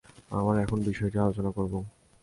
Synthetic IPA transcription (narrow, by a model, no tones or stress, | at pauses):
a̰maɾɛkʰonbiʃɔeʈialot͡ɕonakoɾbo